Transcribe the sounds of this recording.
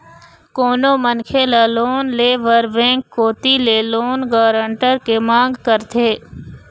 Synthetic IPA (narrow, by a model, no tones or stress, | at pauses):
koːnomənkʰelaloːnleːʋəɾʋɛ̃ːŋkːoːt̪ileloːnɡaːɾəɳʈəɾkemãːŋɡkəɾt̪ʰeː